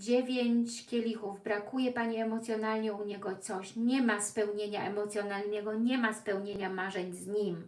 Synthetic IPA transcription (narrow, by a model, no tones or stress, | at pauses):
d͡ʑevʲjeɲt͡ɕkʲɛlʲixuvbɾakujɛpaɲiɛmɔt̪sjɔnalɲɛuɲɛɡɔt̪sɔɕɲɛmaspɛwɲeɲaɛmɔt̪sʲjɔnalnɛɡɔɲɛmaspɛwɲeɲamaʐɛɲzɲim